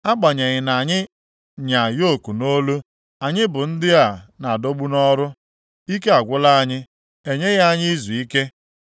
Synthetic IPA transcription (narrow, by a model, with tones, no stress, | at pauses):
a˦ɡ͡ba˨ɲa˨ɣɪ˨na˨ɲɪ˦ | ɲa˨jo˦ku˨no˦lu˦ | a˨ɲɪ˦bʊ˨n̩˦dɪ˦a˨na˨do˦ɡ͡bu˦nɔ˦ɾʊ˦ | i˦ke˦a˨ɡʷʊ˦la˦a˦ɲɪ˦ | e˨ɲe˦ɣa˦ɲɪ˦i˦zu˨i˦ke˦